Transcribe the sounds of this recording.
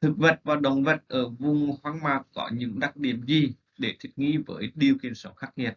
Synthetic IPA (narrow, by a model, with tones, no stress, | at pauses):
t̪ʰɨ˨˩k̚və˨˩t̚vaː˨˩wɗə˨˩wŋ͡mvə˨˩t̚ʔəː˧˩vʊ˨˩ŋ͡mhwaː˧˦ŋmaː˨˩k̚kɔ̰˧˨˦ɲɨ̰˧˥ŋɗa˨˩k̚ɗi˧˩əmzi˨˩ | ɗe˧˩t̪ʰi˨˩t̚ŋḭ˧˥vəː˨˦jɗi˧əwki˧ənsə˨˦wxaː˦˥k̚ɲə˧˨˩t̚